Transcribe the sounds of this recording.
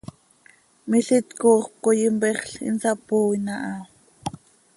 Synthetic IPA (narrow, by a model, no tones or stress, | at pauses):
miɬit̪kuːχp̚kojimbɛχɬḭnsɑpuːinɑʔɑ